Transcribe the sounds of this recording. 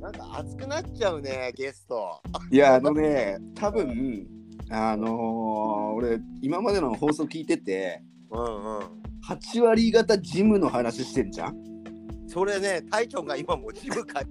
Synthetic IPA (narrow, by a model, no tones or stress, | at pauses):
nãŋka̰a̰t͡sɨ̥kɯ̟nat͡ɕaɯ̟neɡe̞st̪o̞̰jaːno̞ne̞t̪ʰabɯ̟̃ɴ | ano̞ | oɾe̞imamad̪e̞noho̞ːso̞ːkʲiːt̪e̞t̪e̞ | ɯ̟̃ɴɯ̃hat͡ɕiβaɾʲiɡat̪ad͡ʑimɯ̟no̞hanaɕiɕi̥t̪eɾɯ̟d͡ʑã̰ | so̞ɾe̞ne̞t̪ʰaikʲõ̞ŋɡaimamo̞d͡ʑimɯ̟kʰa